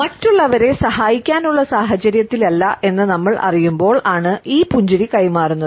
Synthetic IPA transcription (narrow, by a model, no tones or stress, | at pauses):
mɐtːuɭːɐʋɐɾe̞sɐɦaːjikʲːaːnuɭːɐsaːɦɐt͡ɕɐɾjɐt̪ːilɐlːɐʔe̞nːɨnɐmːɐɭɐ̰rijumbo̞ːɭaːɳɨʔiːpuɲd͡ʑuɾikɐjmaːrunːɐð